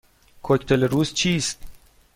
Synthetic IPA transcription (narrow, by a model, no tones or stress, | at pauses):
kʰoct̪ʰeleɾuːzt͡ʃʰiːst̪̚